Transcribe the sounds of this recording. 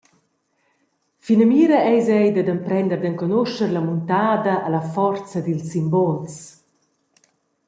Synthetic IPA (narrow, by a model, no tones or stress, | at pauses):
finamiːɾaʔɛjzɛjd̪ad̪əmpɾɛnd̪əɾd̪əŋkɔnoʃəɾlamunt̪aːd̪aʔalafɔrt͡sad̪ilsimbɔls